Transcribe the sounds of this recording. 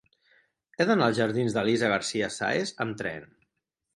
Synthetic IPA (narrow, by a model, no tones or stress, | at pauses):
ɛðənalˠzʒəɾðinzðəlizaɣəɾsiəsa̰ezəmt̪ɾɛ̰n